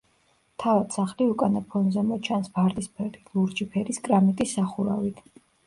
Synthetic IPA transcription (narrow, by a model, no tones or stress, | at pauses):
t̪ʰavad̪̥saχliukʼanapʰɔnzɛmɔt͡ʃʰansb̥aɾt̪ʼispʰɛɾilˠuɾd͡ʒipʰɛɾiskʼɾamit̪ʼisːaχuɾavit̪ʰ